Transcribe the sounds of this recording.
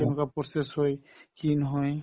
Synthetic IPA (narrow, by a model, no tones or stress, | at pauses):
enkapɾɔsesɦojkinɦoj